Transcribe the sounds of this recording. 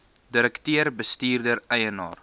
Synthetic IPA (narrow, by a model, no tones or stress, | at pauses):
diɾəktøːɾbəstiːrdəɾɛjənɑ̰ːr